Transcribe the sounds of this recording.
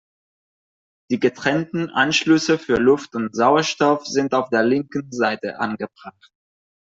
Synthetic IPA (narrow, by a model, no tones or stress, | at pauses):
d̥iːɡətʁ̥ɛntn̩ʔa̰nʃlʏsəfyːɐlʊftʊntz̥aʊɐʃtɔfz̥ɪntaʊfd̥eːɐlɪŋkn̩zaɪtə̰ʔanɡəbʁaχt